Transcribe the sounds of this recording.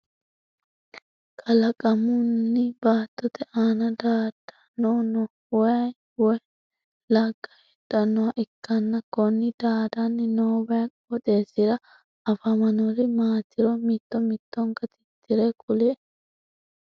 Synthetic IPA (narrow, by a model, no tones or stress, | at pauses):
kʰɐlɐkʼɐmʊnːɪbaːt̪ːɔt̪ɛʔaːnɐd̪aːd̪̥ɐ̥nonɔ | wɔjɐ | wɔj | lɐɡːɐhɛᶑɐnːɔwɐʔɪkːɐnːɐkɔnːɪd̪̥aːd̪ɐnːɪnoːbɐjʼ | ɔt̪ʼe̞ːsɪɾɐ | ɐfɐmɐnɔɾɪmaːt̪ɪɾɔmɪt̪ːɔmɪt̪ːɔŋkɐt̪ɪ̥t̪ːɪɾɛkʼʊlɛ